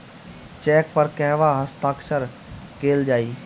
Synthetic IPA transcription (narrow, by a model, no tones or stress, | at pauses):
t͡ʃɛːk̚pɐɾkɛɦʋaɦəst̪aːkʃəɾ | keːld͡ʒaːiː